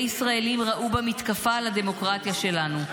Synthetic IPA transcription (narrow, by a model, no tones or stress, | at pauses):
isʁae̞limʁaʔubamit̪kafalad̪e̞mo̞kʁat̪jaʃe̞lanu